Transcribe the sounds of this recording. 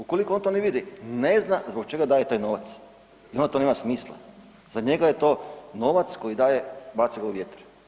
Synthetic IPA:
ukolikoont̪oneʋid̪ine̞znazbokt͡ʃe̞ɡad̪aːje̞t̪aːjno̞ːʋat̪s | iond̪t̪o̞nemasmiːslˠa̰ | z̥aɲe̞ɡajet̪o̞ːno̞ʋat̪sko̞jid̪aːje̞bat̪siɡauʋjet̪ɾ

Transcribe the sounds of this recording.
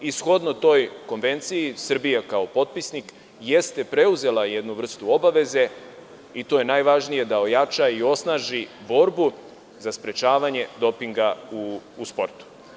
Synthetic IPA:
isxo̞d̪no̞t̪o̞jko̞nʋe̞nt̪sijisr̩bijakao̞po̞t̪̚pisnik | je̞st̪e̞pɾe̞uze̞laje̞d̪nuvr̩st̪uo̞baʋe̞ze̞ | it̪o̞ːje̞naːjʋaʒnije̞d̪ao̞jat͡ʃaio̞snaːʒibo̞ɾbu | zaspɾe̞t͡ʃaːʋaɲe̞d̪o̞piŋɡaː | spo̞ɾt̪u̥

